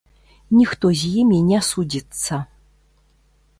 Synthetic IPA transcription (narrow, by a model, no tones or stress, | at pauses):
nʲixt̪ozʲijɛmʲenʲasudʲit͡sːɐ